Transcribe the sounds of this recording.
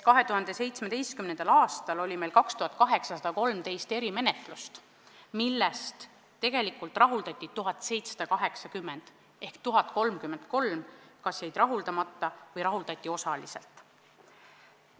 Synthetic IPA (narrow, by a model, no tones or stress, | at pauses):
kɑɦe̞t̪uhɑnd̪̥e̞se̞jt̪sme̞d̪e̞jst̪kymnenɑlɑːst̪ɑlo̞lʲime̞jlkɑkst̪uhɑt̪̚ˑkɑɦeksɑsɑd̪̥ɑko̞lmt̪e̞jst̪e̞ɾime̞ne̞t̪ˑlust̪ | milːest̪ː | e̞ɡ̥e̞likult̪rɑɦuld̪ɑt̪ʲːˑit̪uɦɑt̪ːˑse̞jt̪sɑ̥d̪̥ɑkɑɦe̞ksɑkymːe̞nd̪̥ | e̞hkt̪uɦɑt̪̚ˑko̞lmkymːend̪̥ko̞lmkɑsjejd̪rɑɦuld̪ɑmɑt̪ːɑvɤjɾɑɦuld̪ɑt̪ʲːˑio̞sɑlise̞̰lt̪ˑ